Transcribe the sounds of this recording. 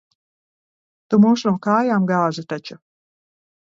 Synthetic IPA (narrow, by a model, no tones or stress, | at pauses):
t̪umuːsnuɔkaːjaːmɡaːʒut̪at͡ʃu